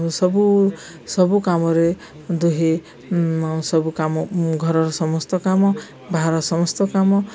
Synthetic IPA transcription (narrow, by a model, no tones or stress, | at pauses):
sɔbu | sɔbukamɔɾe | d̪uɦe | sɔbukamɔɡʱɔɾɔɾɔsɔmɔst̪ɔkamɔ | baɦɾɔsɔmɔst̪ɔkamɔ